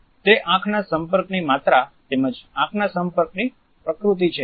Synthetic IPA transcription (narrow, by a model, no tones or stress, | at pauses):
t̪eʔãkʰnasəmpəɾknimat̪ɾat̪eməd͡ʒãkʰnasəmpəɾkni | pɾəkɾut̪̬it͡ʃʰe